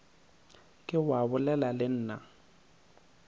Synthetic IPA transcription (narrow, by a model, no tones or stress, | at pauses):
kʼɪwabʊlɛlalɪn̩ːna